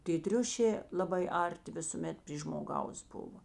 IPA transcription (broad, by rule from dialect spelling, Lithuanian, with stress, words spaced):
tʲeː ˈtʲrʲʊʃʲeː lˠɐˈbɐɪ ˈɐrʲˌtʲɪ ʋʲɪsʊˈmʲɛt pʲrʲiː ʒmoːˈɡɐʊs ˈbʊʋoː